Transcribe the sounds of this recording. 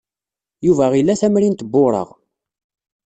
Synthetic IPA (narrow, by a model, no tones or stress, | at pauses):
juvæʁilːæθæmɾint̪əbːʊɾˤə̰ʁ